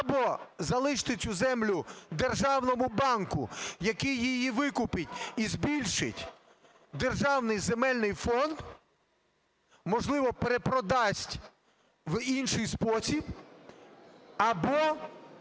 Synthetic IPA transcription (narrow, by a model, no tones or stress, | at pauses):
ɐbɔzɐlˠɪʃt̪ɪt͡sʲʊzɛmlʲʊd̪erʒɑwnɔmʊbɑnkʊjɐkɪjːɪjiʋɪkʊpɪtʲizbʲilʲʃɪ̰tʲ | d̪erʒɑwnɪjzemɛlʲnɪjfɔnd̪ | mɔʒlˠɪʋɔpeɾepɾɔd̪ɑsʲtʲ | ʋinʃɪjspɔsʲib | ɐbɔ